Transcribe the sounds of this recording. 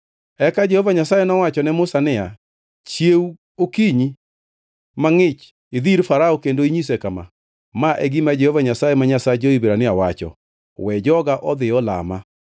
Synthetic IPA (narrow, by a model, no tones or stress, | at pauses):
ɛkad͡ʒɛhɔvaɲasajenɔwat͡ʃɔnɛmʊsanɪa | t͡ʃjeu | okiɲi | maŋɪt͡ʃ | eðiɾfaɾaɔkendoiɲis̬ekama̰ | maʔɛɡimad͡ʒɛhɔvaɲasajemaɲasad͡ʒoibeɾanɪawat͡ʃɔ̰ | wɛd͡ʒɔɡaʔɔðɪɔla̰ma